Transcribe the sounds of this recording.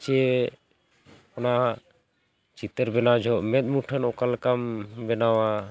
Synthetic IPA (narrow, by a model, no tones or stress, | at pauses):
t͡ʃ | ɔna | t͡ʃit̪əɾbɛnad͡ʒʱɔʔmɛt̪̚muʈʰənɔkalkambɛnawa